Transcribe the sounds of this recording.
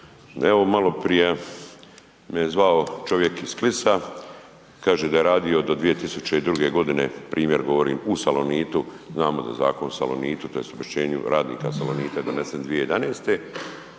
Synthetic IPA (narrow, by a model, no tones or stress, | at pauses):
eʋo̞malo̞pɾije̞ | mijezʋaot͡ʃoʋje̞kisklisa | kaːʒed̪ajeɾaːd̪iod̪o̞d̪ʋije̞t̪isut͡ɕeid̪ɾuɡe̞ɡo̞d̪ine̞̰pɾʔiːmje̞ɾɡo̞ʋoɾḭːmusaloniːt̪u | znaːmod̪a̰jeza̰ːko̞nusa̰lo̰niːt̪ut̪o̞jest̪obeʃt͡ɕeːɲṵɾʔaːd̪nḭːkasaloniːt̪ad̪o̞ne̞send̪ʋijejed̪aneːst̪e